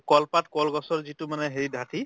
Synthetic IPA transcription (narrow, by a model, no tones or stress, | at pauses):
kɔlpatkɔlɡɔsɔɹzitʊmanɛɦeɹidʱatʰi